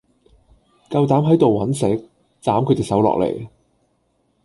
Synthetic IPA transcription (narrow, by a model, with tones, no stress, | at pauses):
kɐ˧wt̪aː˨˥mɦɐ˨˥jt̪o˨wːɐ˨˥nsɛ˨˥k̚ | t͡saː˨˥mkʰt̪e˨˩sɐ˨˥wlɔ̰ː˨k̚lḛ˨˩j